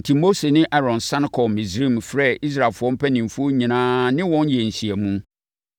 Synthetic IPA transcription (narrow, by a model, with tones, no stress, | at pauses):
tʰi˨mo˦se˨nɪ̃˦ʔɛ˦ɾɔ̃˨nsã˦n˦kʰɔ˨mɪ̃˨sɾĩ˦˨mfɾɛ˦˨i˦s̬ɾa˨lfʊ˨˦ɔ̃˦m̩˦pʰɛ˦nɪ̃˨m˨fu˦o˦ɲĩ˨nãː˦nɪ̃˦wɔ̃˦njɛ˨n̩˨ɕi˨æ˨mũ˦